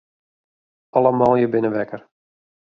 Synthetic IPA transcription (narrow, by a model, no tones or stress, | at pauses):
ɑlˠəmɑːlˠjəbɪnəʋɛkər